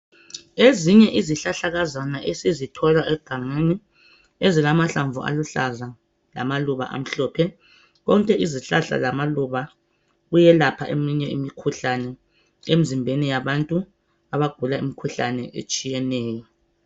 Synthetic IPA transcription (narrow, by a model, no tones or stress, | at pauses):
eziɲɛʔiziɬaɬaɣazanaʔesizitʰɔlaʔɛɡ̥ʱaŋeni | ezilamaɬaɱvʱṵʔa̰luɬaza | la̰maluβa̰ʔa̰m̩ɬɔːpʰɛ | ɣɔŋkʼɛʔiziɬaɬa̰lamaluβa | ɣujɛlapʰa̰ʔemiɲɛimikʰuɬanɛ | em̩zimbʱenijaβantʼu | aβaɡ̥ʱulaḭmikʰuɬanɛʔḛt͡ʃʼijɛnɛːjɔ